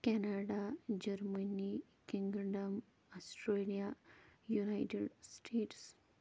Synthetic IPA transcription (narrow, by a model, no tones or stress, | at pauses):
kɛnaɖad͡ʑəɾməni | kiŋɡɖəm | ɔsʈɾelijajunajʈeɖsʈʰeːʈs